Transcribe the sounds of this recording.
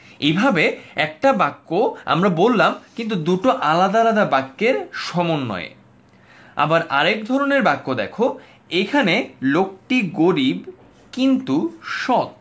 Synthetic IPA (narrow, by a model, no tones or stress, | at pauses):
ebʱabeɛk̚ʈabakːoa̰mɾabolːamkint̪̬ud̪uʈoʔalad̪alad̪abakːeɾʃɔmonːɔ̰ḛ | a̰baɾʔa̰ɾek̚d̪ʱɔɾoneɾbakːod̪ɛkʰo | ekʰanelok̚ʈiɡoɾib | kint̪uʃɔt̪̚